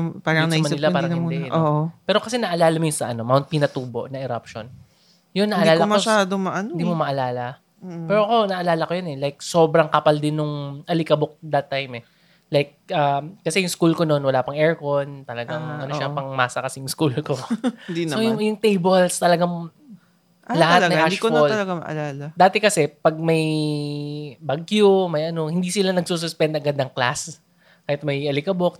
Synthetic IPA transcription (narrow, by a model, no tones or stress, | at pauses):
paːɾɐmɐnɪlapaːɾɐɐɪnːd̪ɛʔoʔopɛːɾo̞kɐsɛnɐʔɐlaːlɐmojʊŋsɐʔɐno̞maʊnt̪̚pinɐt̪uːbo̞ʔnɐʔɛɾapʃon | jonːɐʔɐlaːlɐmɐʃaːd̪omɐʔɐnnd̪imomɐʔɐlaːlɐ | pɛːɾoɐko̞nɐʔɐlaːlɐkojɐnɛlajk̚so̞ːbɾɐŋkɐpɐld̪ɪnːʊŋʔɐlɪkɐbok̚d̪ɐt̪ːajmɛ | lajk̚ʔɐkɐsɛjʊŋskuːlkono̞nwɐlaːpɐŋʔɛɹkont̪ɐlɐɡaŋɐnoʃapɐŋmaːsɐkɐsɛjʊŋskuːlkod̪isojʊjʊŋt̪ejbɛlst̪ɐlɐɡaŋ | lɐɦat̪mɐjadʃfolɐlɐɡaɐ̰ʔɐ̰laːlad̪aːt̪ɛkɐsɛpɐɡ̚mɐj | baɡjomɐjʔɐno̞hɪnd̪iːsɪlanɐɡsuːs̬ʊspɛnd̪ɐɡad̪ɐŋkla̰s | kaːhɛt̪̚mɐjʔɐlɪkɐbok̚